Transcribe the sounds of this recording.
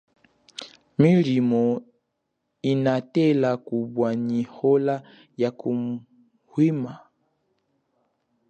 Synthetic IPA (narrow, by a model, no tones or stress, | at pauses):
milimɔ | inatɛlakubwaɲihɔla | jakum | hwima